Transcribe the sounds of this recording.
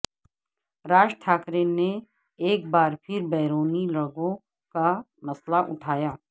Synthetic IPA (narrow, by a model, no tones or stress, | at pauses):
ɾaːd͡ʒʈʰaːkɾine | eːk̚baːɾpʰɪɾbɛːɾoːnilɐɡõ | ka | mɐslaʔʊ̰ʈʰaːjaː